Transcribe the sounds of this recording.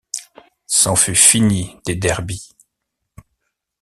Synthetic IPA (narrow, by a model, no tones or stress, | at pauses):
sɑ̃fyfinid̪̥ed̪ɛʁbi